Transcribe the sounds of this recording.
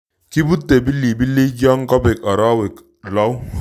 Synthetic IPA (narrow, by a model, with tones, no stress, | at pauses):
ki˦bu˦t̪ːe˨bi˦lːi˨bi˦li˦d͡ʒa˦ŋkɔ˦be˨ka˨ɾa˦we˨k | la˦w